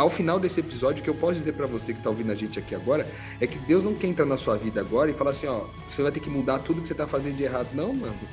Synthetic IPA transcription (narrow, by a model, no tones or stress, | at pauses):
awfinawd̪esɪepizɔd͡ʒɪʊkɪewpɔsʊd͡ʒizeɾpɾɐvosekɪ̥t̪aowvĩnd̪ʊɐʒẽnt͡ʃɪakiaɡɔɾɐ | ɛkɪd̪ewznɐ̃w̃kɛɾẽt̪ɾaɾnɐsuɐvid̪ɐaɡɔɾɐɪfalaɾsĩɲɔ | vosevajt̪eɾkɪmud̪at̪ud̪ʊkɪ̥set̪afazẽd̪ʊd͡ʒeɦad̪ʊnɐ̃w̃mɐ̃nʊ